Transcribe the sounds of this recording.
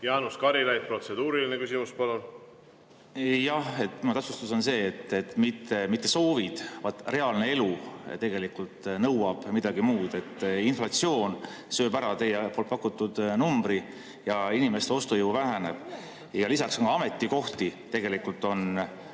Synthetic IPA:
jɑːnuskɑɾilæj̚pro̞t̪sed̪uːɾilinekysimuspɑlon | jɑhe̞t̪ːmɑt̪æpsust̪uso̞nse̞ːt̪ːet̪ːˑmit̪ːˑemit̪ˑːe̞so̞ːvid̪̥vɑt̪ːˑre̞ɑlne̞e̞lut̪e̞ɡ̥e̞likult̪nɤwɑb̥mid̪̥ɑɡimuːd̪̥e̞t̪ːinflɑt̪sio̞ːn | sø̞ːbæɾɑt̪e̞jepolt̪̚ˑpɑkːut̪ːˑud̪̥numbɾi | jɑinime̞st̪eo̞st̪ujowvæɦæne̞b̥ | jɑlisɑksoŋkɑɑme̞t̪ˑːiko̞ht̪it̪e̞ɡe̞likult̪ːˑo̞n

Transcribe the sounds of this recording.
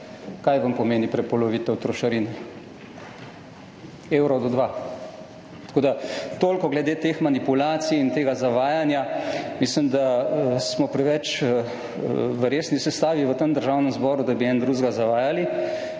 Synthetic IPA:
kajʋampɔmeːnipɾɛpɔlɔʋiːt̪ɛwt̪ɾɔʃɐɾinɛ | eːwɾɔd̪ɔd̪ʋa | t̪ɐ̥koːd̪at̪oːlkɔɡlɛd̪eːt̪eːxmanipulaːt̪sijint̪eːɡazaʋaːjanjamislimd̪asmɔpɾɛʋɛt͡ʃ | ʋəɾesnisɛst̪aːʋiʋət̪əmd̪əɾʒaːwnɛmzbɔːɾud̪abiɛnd̪ɾuʒɡazaʋaːjali

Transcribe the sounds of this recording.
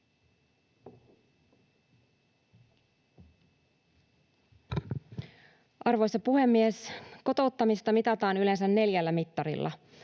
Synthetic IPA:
ʔɑrʋo̞jsːɑpuhe̞mːiesko̞t̪o̞ut̪ːɑmist̪ɑmit̪ɑt̪ɑːnylens̬ænːe̞ljælːæmit̪ːɑɾḭlːɑ̰

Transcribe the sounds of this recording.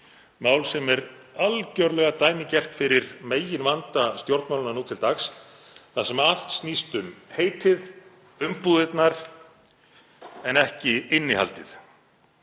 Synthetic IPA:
maːwlsɛmɛɾalcœɾlɛɣat̪aːjmɪcɛr̥t̪fɪɾɪɾmeːjɪnvant̪ast̪jowɾt̪maːwlʏnaɾnuːt̪ʰɪlt̪axs | θasɛmɛɾal̥t̪snist̪ʏmheːjt̪ɪð | ʏmpuðɪt̪naɾ̥ | ɛnɛhcɪɪnːɪha̰lt̪ɪθ

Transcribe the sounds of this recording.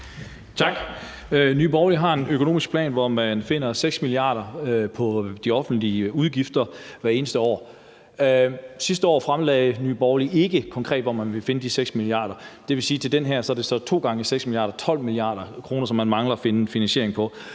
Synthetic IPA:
t͡sʰɑ̈ɡ̥ | nyːb̥ɒʊliɦɑ̈e̝nøkʰono̝̰ːmisɡ̥̚pʰlɛ̰ːnʋɒmænfe̝n̰ɐseɡ̥smiliɑ̰̈ːɾɐpʰɒ̽d̥iɒ̽fn̩d̥liuðˠɡ̥ifd̥ɐʋæɐe̝ːnəsd̥əɒ̰ː | sisd̥əɒ̰ːfʁamlɛːɪnyːb̥ɒʊlie̝ɡ̥əkʰɒ̽ŋkʰʁɛ̰ːd̥ʋɒmænʋe̝fe̝nəd̥iseɡ̥smiliɑ̰̈ːd̥ɐd̥e̝ʋe̝siːt͡sʰe̝ld̥enɦæɐ̰sɒ̽æɐd̥e̝sɒ̽t͡sʰo̝̰ːɡ̥ɑ̈ŋəiseɡ̥smiliɑ̰̈ːdɐt͡sʰɒ̽l̰miliɑ̰̈ːd̥ɐkʰʁo̝ːnɐsɒ̽mːænmɑ̈ŋlɐɒfe̝nəfinænɕe̝ɐ̰e̝ŋpʰɒ̽

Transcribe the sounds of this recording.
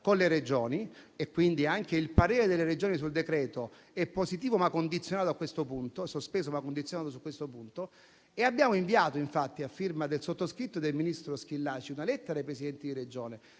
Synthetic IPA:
konleɾed͡ʒoːniekːwind̪iaŋkeilpaɾeːɾed̪elːeɾed͡ʒoːnisuld̪ekɾɛːt̪o | ɛpːosit̪iːvomakːond̪it̪sjonaːt̪oakːwest̪opunt̪osospeːzomakːond̪it̪sjonaːt̪os̬ukwest̪opunt̪o | eabjaːmoiɱviaːt̪oiɱfat̪ːiafːirmad̪elsot̪ːoskɾit̪ːod̪elminist̪ɾosk̟ilːaːt͡ʃiunalɛt̪ːeɾaejpɾesid̪ɛnt̪id̪iɾed͡ʒoːne

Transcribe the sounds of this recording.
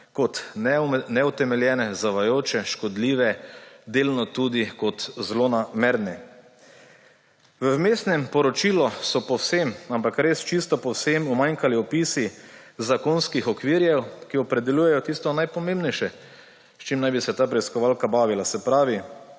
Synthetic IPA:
kɔt̪ | nɛut̪ɛmɛljɛːnɛzaʋajoːt͡ʃɛʃkɔd̪liːʋɛd̪eːlnɔt̪ud̪ikɔt̪zlonameɾnɛ | ʋəmest̪nɛmpɔɾɔt͡ʃiːlɔsɔpɔwsemampakɾest͡ʃist̪ɔpɔwsemumaŋkaliɔpisizakonskixɔkʋiɾjɛwkiɔpɾɛd̪ɛlʲjuːjɛjɔt̪ist̪ɔnajpɔmẽmbnɛjʃɛ | st͡ʃimnajbisɛt̪aːpɾɛiskɔʋaːlkabaːʋilasɛpɾaːʋi

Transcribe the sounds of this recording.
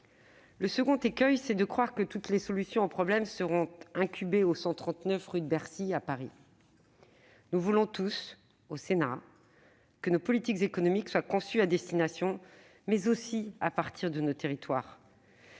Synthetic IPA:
ləsəɡɔ̃t̪ekʲœjsɛd̪əkχwaʁkət̪ut̪lesɔlysjɔ̃opχɔblɛmsəʁɔ̃t̪ɛ̃kʲʰybeosɑ̃t̪χɑ̃t̪nœfʁyd̪bɛʁsiapaʁḭ | nuvulɔ̃t̪us | osena | kənopɔlit̪ikzekɔnɔmikswakɔ̃syad̪ɛst̪inasjɔ̃ | mɛzosiapaʁt̪ʰiʁd̪ənot̪eʁit̪waːʁ

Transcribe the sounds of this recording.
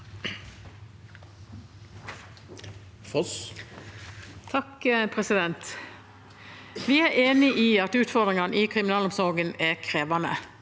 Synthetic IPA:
f | t̪ʰɑkəpʰʁɛsɪd̪ɛnt̪ | ʋɪæːʔeːnɪʔiːɑt̪ʉːt̪fɔd̪ʁɪŋɑniːkʰʁɪmɪnɑːlɔmsɔɾɡənækʰɾeːʋɑnə̰

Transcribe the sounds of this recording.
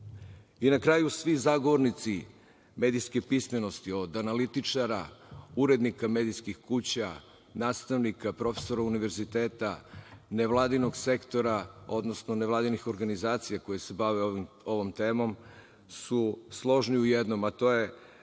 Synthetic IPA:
inakɾaːjusʋizaɡoʋoɾnit̪si | me̞ːd̪ijskepismeno̞st̪io̞d̪analit̪it͡ʂaɾauɾe̞d̪nikamed̪ijskixkut͡ɕa | naːst̪aʋnikapɾo̞fe̥so̞ɾauniʋe̞ɾzit̪eːt̪aneʋlˠaːd̪ino̞ɡse̞kt̪o̞ɾao̞d̪no̞snoneʋlˠaːd̪inixo̞ɾɡanizaːt̪sijako̞jesebaʋe | o̞ʋo̞mt̪e̞ːmo̞m | suslˠo̞ʒniujed̪no̞mat̪o̞ːje̞

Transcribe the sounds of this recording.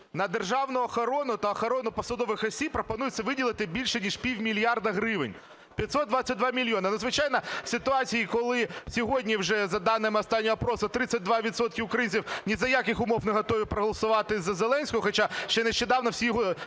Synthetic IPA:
nɐd̪erʒɑwnʊɐxɐɾɔnʊt̪ɐɐxɐɾɔnʊpɔsɐd̪ɔʋɪxɐsʲippːɾɔpɔnujɪt̪ʲt͡sʲːɐʋɪdʲilˠɪt̪ɪbʲilʲʃɛnʲiʂpʲiwʲmʲilʲjɑrd̪ɐɦɾɪʋɪ̰nʲ | pʲjɐt̪ʲsɔt̪̚d̪ʋat͡sʲːɐt̚ʲd̪ʋɑmʲilʲjɔnɐnuzʋɪt͡ʃɑjnɐ̥sʲɪt̪ʊɑt͡sʲijikɔlˠɪsʲɔɦɔdʲnʲiwʒɛzɐd̪ɑnːɪmɪɔst̪ɑnʲːɔɐpɾɔsʊt̪ɾɪt͡sʲːɐt̚ʲd̪ʋɑʋʲit̪sɔt̪̚kʲɪʊkɾɐjinʲt͡sʲiwnʲizɐjakɪxʊmɔwneɦɔt̪ɔʋʲipɾɔɦɔlˠɐsʊʋɑt̪ɪzɐzelˠɛnʲsʲkɔɔxɔt͡ʃaʃt͡ʃɛneʃt͡ʃed̪ɑwnɔwsʲijɔɦɔ

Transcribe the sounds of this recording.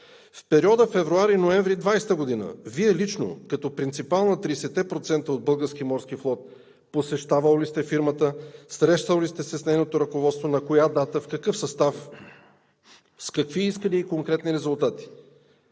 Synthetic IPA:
fpɛɾiɔd̪əfɛvɾuaɾinoɛɱvɾid̪vajst̪əɡod̪inə̰viɛlit͡ʃno̰kɐt̪ɔpɾint̪sipalˠnət̪ɾisɛt̪ːɛpɾot̪sɛnt̪əod̪̚bɤlˠɡəɾsk̟imɔɾsk̟iflˠɔt̪̚ | posɛʃt̪avəlˠlist̪ɛfiɾmət̪əsɾɛʃt̪əlˠlist̪ɛsɛsnɛjnot̪oɾɐkovɔt̪st̪vonɐkojad̪at̪əfkɐkɤfsɐst̪af | skɐkviiskəliːkoŋkɾɛt̪niɾɛzʊlˠt̪at̪i̥

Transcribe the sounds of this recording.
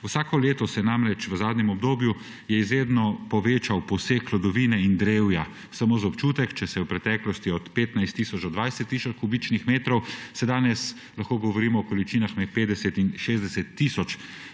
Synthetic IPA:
wsaːkɔleːt̪ɔsɛnamɾɛt͡ʃʋəzaːd̪nɲɛmɔbd̪oːbju | jɛizɾeːd̪nɔpɔʋeːt͡ʃawpɔsekʰːlɔd̪ɔʋiːnɛind̪ɾewja | samoːzaɔpt͡ʃuːt̪ɛkt͡ʃɛsɛjɛwpɾɛt̪ɛklɔst̪iɔt̪peːt̪najst̪ːiːsɔt͡ʃd̪ɔd̪ʋajsɛt̪ːisɔt͡ʃkubit͡ʃnixmeːt̪ɾɔwsɛd̪aːnɛs | laxkoːɡɔʋɔɾiːmɔːkɔlit͡ʃiːnaxmɛt̪̚peːd̪d̪ɛsɛt̪inʃeːzd̪ɛsɛt̪ːisɔt͡ʃ

